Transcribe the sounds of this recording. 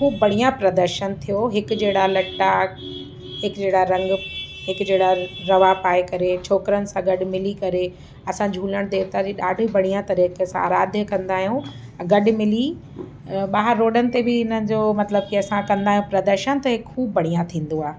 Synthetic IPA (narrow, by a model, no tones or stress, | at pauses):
kʰuːbːɐɽ̤̃ijãpɾɐd̪əɾʃənt̪ʰijoɦɪkd͡ʑeːɽalɐʈːa | ɦɪkd͡ʑeːɽaɾɐ̃ŋɡ | ɦɪkd͡ʑeːɽaɾɐʋapaːekɐɾet͡ɕʰoːkɾənɪ̆sãɡɐɖʊmɪlikɐɾe | ɐsãd͡ʑʱuːləɽ̃t̪et̪ad͡ʑiɗaːɖʱibɐɽ̤̃ijãt̪ɐɾiːkesãa̰ːɾaːd̪ʱjəkɐ̃nd̪aːɦijũ | ɡɐɗʊ̆mɪli | ɓaːɦəɾːoːɖənɪ̆t̪ebɪɪnənɪ̆d͡ʑoːmɐt̪ləb̚kiɐsãkɐ̃nd̪aːɦjũpɾɐd̪əɾʃənt̪ɐɦɪkkʰuːbːɐɽ̤̃ijãt̪ʰĩːnd̪oaːɦ